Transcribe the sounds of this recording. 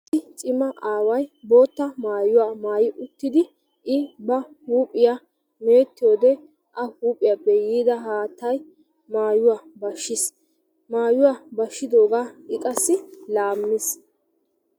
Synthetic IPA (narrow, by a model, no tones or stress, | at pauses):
ɪt͡ʃʼɪmɐʔaːwɐjbo̞ːt̪ːɐmaːjʊwaːmaːjɪʔʊt̪ːɪd̪ɪ | ʔɪbɐhuːpʼːɪja | me̞ːt̪ːɪjoːd̪ɛ | ʔɐhuːpʼɪjapːɛjiːd̪ɐɦaːt̪ːɐj | maːjʊwabɐʃːɪs | maːjʊwaːbɐʃːɪd̪o̞ːɡaːɪkʼɐsːɪlaːmːɪs